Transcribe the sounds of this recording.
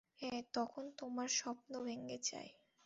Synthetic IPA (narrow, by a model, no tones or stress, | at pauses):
ɛt̪ɔkʰont̪omaɾʃɔpnobʱeŋɡet͡ɕa̰e